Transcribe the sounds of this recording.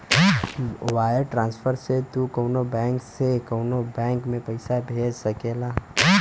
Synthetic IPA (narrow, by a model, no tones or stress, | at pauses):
waːjəɾʈɾãːnspʰəɾset̪ukəʊnobɛ̃ːŋksekəʊnobɛ̃ːŋkmẽpəɪsabʱeːd͡ʒsɐkeːlaː